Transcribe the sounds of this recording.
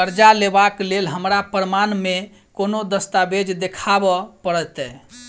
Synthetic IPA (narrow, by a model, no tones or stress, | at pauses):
əɾd͡ʒalebaklelɦəmɾapɾəmanme | konod̪əst̪abed͡ʒd̪ekʰabɔpəɽɛt̪ɛ